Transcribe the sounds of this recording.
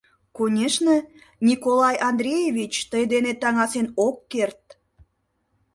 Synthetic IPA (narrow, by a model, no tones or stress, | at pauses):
konʲeʃnə | nʲikolɑjʔɑnd̪ɾʲejevʲit͡ɕt̪əjd̪enet̪ɑŋɑsenokːert̪̚